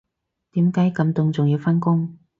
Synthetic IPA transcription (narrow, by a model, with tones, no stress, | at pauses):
t̪iː˨˥mkaː˨˥jkɐ˨˧mt̪ʊ˧ŋt͡sʊ˨ŋjiː˧wfa˥nkʊ˥ŋ